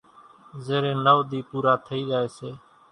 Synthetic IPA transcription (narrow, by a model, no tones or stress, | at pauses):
zeːɾeːnəʋd̪iːpuːɾaːt̪ʰəiːɡaːeːseː